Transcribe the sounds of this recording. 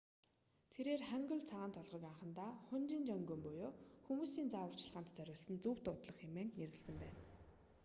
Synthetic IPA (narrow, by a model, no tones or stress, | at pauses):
t̪ʰeɾeːrχæŋɡɵ̆ɮt͡sʰaʁaːnt̪ʰɔɮʁɞ̆ːkaɴχə̆nt̪aːχʊnt͡ɕint͡ɕœŋɡɵːmpɔjoːxumuːsiːnt͡saːwə̆r̥t͡ɕ̆ɮʁaːnt̪t͡sæɾʲʊːɮsə̆nt͡suːw̥t̪ʊt̪ɮə̆χemeːŋneɾɘ̆ɮsə̆mpæːn